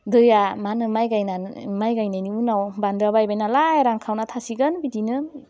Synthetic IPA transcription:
dɯjamanɯmajɡajnamajɡajnajniunawbandabajbajnalajɾaŋkʰawnatʰasiɡɯnbidinɯ

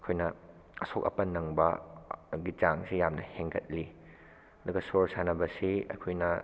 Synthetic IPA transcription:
ɐkʰojnɐ | ɐsok̚ɐ̰pɐnːɐŋbɐ | ɡit͡ʃaŋsijamnɐ̰heŋɡɐt̚li | ɐd̪uɡɐsoɾsanɐbɐsiɐ̰kʰojnɐ

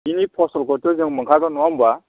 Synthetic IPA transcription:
inipʰɔsɔlkʰɔtɔzɯŋmɯŋkʰaɡɯnɔwamba

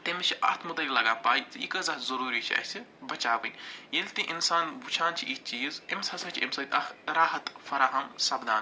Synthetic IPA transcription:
t̪emit͡ʃʰiʔɐ̰ht̪ʰmud̪ɐlʲilɐɡaːpaːjt͡sɨḭkəzɐht̪zɐɾuːɾiːt͡ʃʰiɐ̰t͡ʃʰibɐt͡ʃaːʋɨnjilʲt̪ĩʔinsaːnbut͡ʃʰaːnt͡ʃʰiʔit͡ʃiːzemʲsɐsɐt͡ʃʰḛmsɐt̪ʲɐxɾaːɦɐt̪fɐɾaːɦɐmsɐbd̪aːn

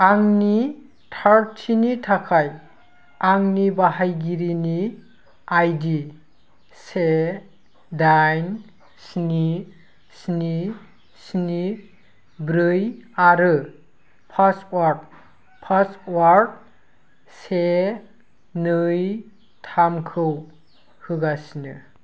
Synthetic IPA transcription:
aŋni | tʰaɾtʰinitʰakʰaj | aŋnibaɦajɡiɾini | ajdi | se | dajn | sni | sni | sni | bɾɯjaɾɯ | pʰaswaɾd̚ | pʰaswaɾd̚ | se | nɯj | tʰamkʰɯw | hɯɡasinɯ

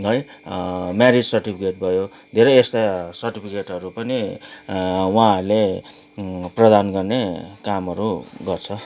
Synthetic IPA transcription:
ɦʌj | maɾid͡zsʌrʈipʰikeʈ̚bʱʌjo | d̪ʱeɾʌjest̪asʌrʈipʰikeʈʌɾupʌni | wãɦʌrle | prʌd̪anɡʌrnekamʌɾuɡʌrt͡sʰʌ

